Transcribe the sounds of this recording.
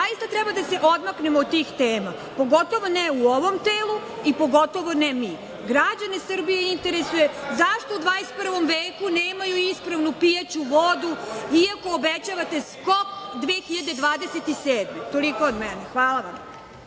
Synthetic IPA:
aist̪at̪ɾɛbad̪aseʔod̪maknemoːd̪̚t̪ːiːxt̪eːma | po̞ɡo̞t̪o̞ʋo̞neuoʋo̞mt̪eːlˠu | ipo̞ɡot̪o̞ʋo̞nemi | ɡɾad͡ʑanesɨr̩bijeint̪e̞ɾesujezaʃt̪o̞ud̪ʋaːnest̪̚pr̩ʋo̞mʋeːkuneːmajuispɾaʋnupijat͡ɕuʋod̪uiako̞ːbet͡ɕaʋat̪e̞skopd̪ʋeːxiʎad̪ed̪ʋaːd̪eset̪iseːd̪met̪olikood̪mɛnexʋaːlˠaʋam

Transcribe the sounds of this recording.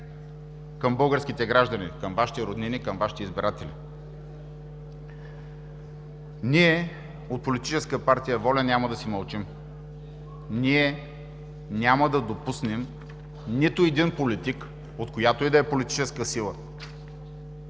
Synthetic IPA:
kəmbɤlˠɡəɾskʲit̪ɛɡɾaʒd̪ɐnikəmvaʃi̥t̪ɛɾod̪ninikɐmvaʃi̥t̪ɛizbiɾat̪ɛlḭ | niɛ | ot̪̚polit̪it͡ʃɛskəpaɾt̪ijəvɔlʲɛnʲaməd̪ɐsimɐlˠt͡ʃim | niɛ | nʲaməd̪ɐd̪opusnɛm | nit̪ʊɛd̪inpolit̪ik | ot̪kojat̪oid̪ɐɛpolit̪i̥t͡ʃɛskəsilˠə

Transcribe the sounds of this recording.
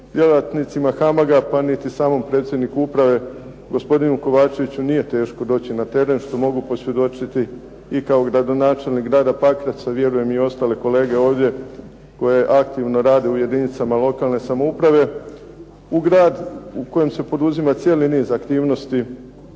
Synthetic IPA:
d̪̥ʲje̞lat̪nit̪simaxamaɡapanit̪isaːmo̞mpɾe̞ːt̪sjed̪nikuupɾaʋe̞ | ɡo̞spo̞d̪inuko̞ʋaːt͡ʃe̞ʋit͡ɕunije̞t̪e̞ːʃko̞d̪o̞ːt͡ɕinat̪e̞ɾe̞nʃt̪o̞mo̞ɡupo̞sʋje̞d̪o̞t͡ʃit̪i | ikao̞ɡɾad̪o̞naːt͡ʃe̞lnikɡɾaːd̪apakɾasaʋje̞ɾuje̞mio̞st̪ale̞ko̞le̞ːɡe̞o̞ːʋd̪je̞ | ko̞jeʔakt̪iʋno̞ɾaːd̪iuje̞d̪init̪samalˠo̞kalˠne̞samo̞upɾaʋe̞ | uɡɾaːd̪uko̞jemse̞po̞d̪uzimat̪sje̞ːliniːzakt̪iːʋno̞st̪i

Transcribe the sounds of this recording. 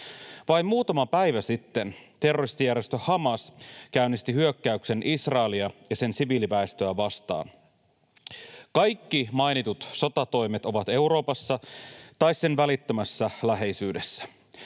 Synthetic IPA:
ʋɑjmmuːt̪ɑmɑpæjʋæsit̪ːe̞nt̪e̞rːo̞rist̪ijæɾjest̪øhɑmɑskæynːist̪iɦyøkːæykse̞nʔisrɑeliɑjɑse̞nsiʋiːlipæest̪øæʋɑst̪ɑ̰ːn | kɑjkːimɑinit̪ut̪so̞t̪ɑt̪o̞jmet̪o̞ʋɑt̪e̞uɾo̞ːpɑsːɑt̪ɑisse̞nʋælit̪ːømæsːælæɦe̞jsyːde̞sːæ̥

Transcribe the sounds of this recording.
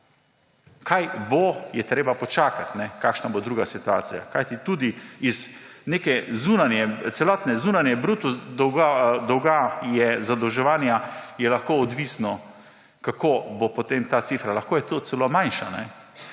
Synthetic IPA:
kajbojɛt̪ɾeːbapɔt͡ʃaːkat̪nɛkaːkʃnabod̪ɾuːɡasit̪ua̰ːsija̰kajt̪it̪uːd̪iiz | neːkɛzunanjɛt̪sɛlɔːt̪nɛzunanjɛbɾuːt̪ud̪ɔwɡad̪ɔwɡajɛzad̪ɔwʒɛʋaːnjajɛlaxkoɔd̪ʋisnɔ | kakobopot̪emt̪aːt̪sifɾalaxkoːjɛt̪oːt̪sɛlomajnʃa̰nɛ̰

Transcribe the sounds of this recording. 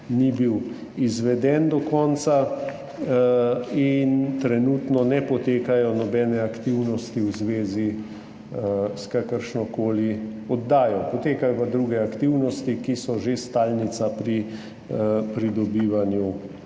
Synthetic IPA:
nibiw | izʋɛd̪ɛnd̪ɔkɔːnsa | int̪ɾɛnuːt̪nɔnɛpɔt̪eːkajɔnɔbɛːnɛakt̪iwnɔst̪iwzʋeːzi | skakəɾʃnɔkoːliɔd̪ːaːjɔpɔt̪eːkajɔpad̪ɾuɡɛakt̪iwnɔst̪ikisɔʒest̪aːlnit̪sapɾi | pɾid̪ɔbiːʋanju

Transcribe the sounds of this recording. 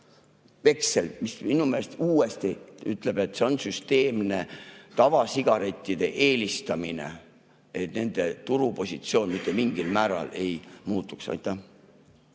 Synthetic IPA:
ve̞kselmisminumelest̪uːe̞st̪iyt̪ˑle̞b̥e̞t̪ːˑse̞o̞nsyst̪e̞ːmne̞t̪ɑvɑsiɡ̥ɑɾe̞t̪ʲːˑid̪̥e̞ʔe̞ːlist̪ɑmine̞̰ | et̪ne̞nd̪̥e̞t̪uɾupo̞sʲit̪sio̞ːnmit̪ːˑemiŋɡ̥ilmæːɾɑ̰le̞jmuːt̪ːˑuksɑ̰jt̪ːˑæ

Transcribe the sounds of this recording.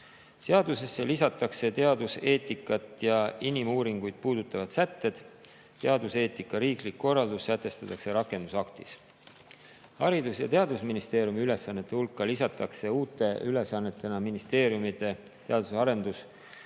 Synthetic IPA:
se̞ɑd̪use̞sːe̞lisɑt̪ːˑɑkse̞t̪e̞ɑd̪use̞ːt̪ːˑikːˑɑt̪ːˑjɑinimuːɾiŋɡ̥ujd̪̥̚puːd̪̥ut̪ːˑɑvɑd̪̥sæt̪ːe̞d̪̥ | t̪e̞ɑd̪use̞ːt̪ːˑikːˑɑɾiːklikːo̞rːɑld̪ussæt̪ːˑe̞st̪ɑt̪ːˑɑkseɾɑkːˑe̞nd̪usɑkt̪is | hɑɾid̪usjɑ̰t̪e̞ɑd̪̥usminist̪eːɾijumiyle̞sɑnːet̪ːˑe̞hulkːɑlisɑt̪ːˑɑkse̞uːt̪ːˑe̞yle̞sɑnːe̞t̪ːˑe̞nɑminist̪e̞ːɾjumid̪e̞ | t̪e̞ɑd̪̥usɑɾe̞nd̪us

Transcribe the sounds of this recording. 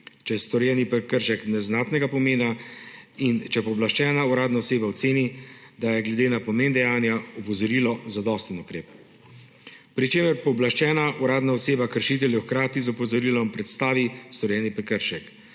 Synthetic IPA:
t͡ʃɛjɛst̪ɔɾjɛːnipɛkəɾʃɛknɛznaːt̪nɛɡapɔmeːna | int͡ʃɛpɔblaʃt͡ʃɛːnauɾaːd̪naɔseːbawt̪seːnid̪ajɛɡlɛd̪eːnapɔmeːnd̪ɛjaːnjaɔpɔzɔɾiːlɔzad̪ɔst̪ənukɾeːp | pɾit͡ʃeːməɾpɔblaʃt͡ʃɛːnauɾaːd̪naɔseːbakəɾʃit̪ɛljɛwxkɾaːt̪izɔpɔzɔɾiːlɔmpɾɛt̪st̪aːʋist̪ɔɾjɛːnipɛkəɾʃɛk

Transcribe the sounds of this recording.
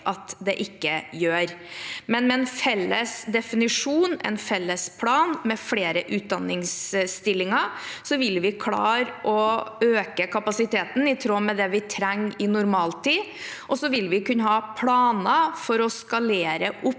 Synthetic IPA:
ʔɑt̪d̪ɛʔɪkːəjøːɾmɛnmɛɛnfɛlːəsd̪ɛfɪnɪʂuːnɛ̰nfɛlːəspʰlɑːnmɛfɽeːɾəʔʉːt̪̚d̪ɑnːɪŋsst̪ɪlːɪŋəsɔʋɪlʋɪkʰlɑ̰ːɾʔɔøːkəkʰɑpɑsɪt̪eːt̪n̩ɪt̪ʰɾoːmɛd̪ɛʋɪt̪ʰɾæŋːɪnʊɾmɑːlt̪ʰiːʔɔsɔʋɪlʋɪkʉnːəhɑːpʰlɑːnɑfɔɾɔskɑleːɾəʔʊpː

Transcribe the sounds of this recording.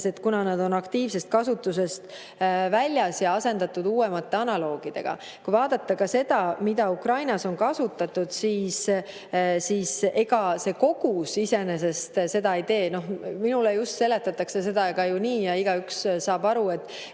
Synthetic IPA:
se̞t̪kunɑnɑd̪̥o̞nɑkt̪iːvse̞st̪̚kɑsut̪ːˑuse̞st̪ | vælʲjɑsjɑɑse̞nd̪ɑt̪ːˑud̪uːe̞mɑt̪ːe̞ɑnɑlo̞ːɡ̥id̪̥e̞̰ɡ̥ɑ̰ | kujvɑːd̪̥ɑt̪ːɑkɑse̞d̪̥ɑmid̪̥ɑukrɑjnɑso̞nkɑsut̪ːˑɑt̪ːud̪̥siːs | siːse̞ɡɑse̞ko̞ɡ̥usise̞ne̞se̞st̪se̞d̪ɑit̪e̞ːno̞hminulejust̪se̞le̞t̪ːˑɑt̪ːˑɑkse̞se̞d̪ɑeɡ̥ɑjuniːjɑiɡ̥ɑykssɑːbɑɾue̞t̪ːˑ

